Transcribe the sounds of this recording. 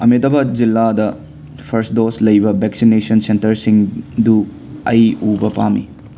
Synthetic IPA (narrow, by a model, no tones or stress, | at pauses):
ɐmidɐbɐd͡ʒilːadɐ | pʰɐɾsdoslɐjbɐbeksinesɐnsentɐɾsiŋdu | ɐjubɐpamḭ